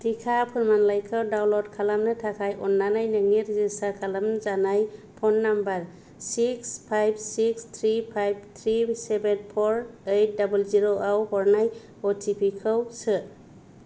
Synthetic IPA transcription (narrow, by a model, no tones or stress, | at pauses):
tikʰapʰɯɾmanlajkʰɯwdawlɔdkʰalamnɯtʰakʰajʔɔnːanajnɯŋiɾizisakʰalamnɯzanajpʰɔnːambaɾ | sikspʰajb̚sikst̪ʰɾipʰajb̚t̪ʰɾisebenpʰɔɾejt̚dabulziɾoʔawhɔɾnaj | ɔtʰipʰikʰɯwsɯ